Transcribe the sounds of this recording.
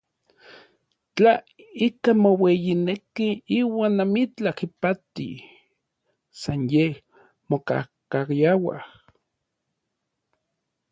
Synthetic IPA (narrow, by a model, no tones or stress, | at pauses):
t͡ɬa | ikamowejinekiiːwaːnːamit͡ɬakipat̪ḭ | sanjeh | moka̰hkajawa̰h